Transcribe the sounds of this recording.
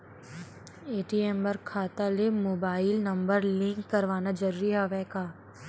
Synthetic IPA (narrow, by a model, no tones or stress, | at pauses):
eːʈiɛmbɐɾkʰaːt̪alemoːbaːɪlnɐ̃mbəɾlɪ̃ŋkːɐɾʋaːnad͡ʒɐɾuːɾiɦaʋɛːkaː